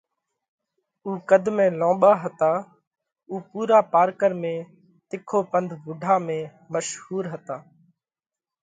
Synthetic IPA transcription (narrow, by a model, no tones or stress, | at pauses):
uːkəd̪mẽːlõːɓaːɦət̪aː | uːpuːɾaːpaːɾkəɾmẽː | t̪ɪkʰoːpənd̪ʱʋʊɖʱaːmẽː | məʃhuːɾɦət̪aː